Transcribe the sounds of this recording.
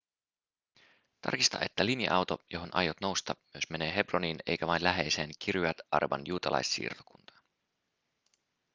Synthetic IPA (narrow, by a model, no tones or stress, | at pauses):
t̪ɑ̰rkist̪ɑ̰ʔet̪ːælinjɑ̰ʔɑwt̪ojo̞ɦo̞nʔɑ̰jot̪no̞wst̪ɑmyøsme̞ne̞ːɦe̞broniːne̞̰jkæʋɑjnlæɦe̞jse̞ːnk̟ʰirjuɑt̪ɑ̰rʋɑ̰njuːt̪ɑlʔɑ̰jsːḭːrt̪o̥kunt̪ɑ̥n